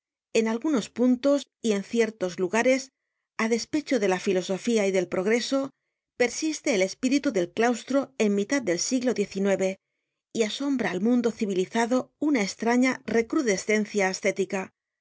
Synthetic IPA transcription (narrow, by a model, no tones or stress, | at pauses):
e̞nalɣuno̞spunt̪o̞s | ie̞nθje̞ɾt̪o̞zluɣaɾe̞s | aðe̞spe̞t͡ʃoðe̞lafilo̞so̞fiaiðe̞lpɾo̞ɣ̞ɾe̞so̞ | pe̞ɾsist̪e̞ːle̞spiɾit̪uðe̞lklawst̪ɾo̞e̞nmit̪að̚d̪e̞lsiɣlo̞ðje̞θinwe̞βe̞ | iaso̞mbɾaːlmũnd̪o̞θiβiliθaðo̞unaest̪ɾaɲare̞kɾuðe̞sθe̞nθjaːst̪e̞t̪ika